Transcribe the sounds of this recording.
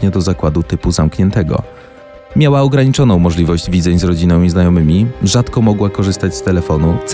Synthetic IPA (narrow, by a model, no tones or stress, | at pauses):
ɲɛd̪ɔzakwad̪ut̪ɘpuzamkɲɛnt̪ɛɡɔ̰ | mʲjawaɔɡɾaɲit͡ʂɔnɔ̃w̃mɔʐlʲivɔʑd͡ʑvʲid̪zɛɲzɾɔd͡ʑinɔmʲiznajɔmɘmʲiʐat̪kɔmɔɡwakɔʐɘst̪ad͡ʑst̪ɛlɛfɔnut̪s